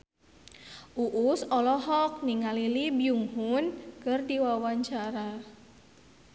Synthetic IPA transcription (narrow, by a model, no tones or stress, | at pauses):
ʔuʔusɔlɔɦɔk̚niŋalilibjuŋɦunkɨrdiwawaɲt͡ʃaɾa